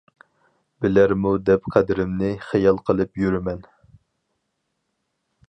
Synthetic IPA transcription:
bɪlæɾmud̪ɛpqʰæd̪ɪɾɪmnɪχæjɑlˠqʰəlˠɨpjyɾɪmɛn

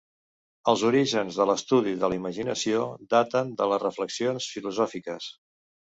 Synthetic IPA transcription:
əlˠzuɾiʒənzðələst̪uð̞iðəliməʒinəsiod̪at̪ənd̪ələrəfləksionsfiluzɔfikəs

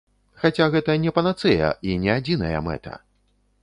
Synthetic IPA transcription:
xat͡sʲaɣɛt̪ɐnʲɛpɐnat̪sɛjɐ̰ʔinʲɛad͡zʲinɐjɐ̰mɛ̰t̪ʰɐ̰

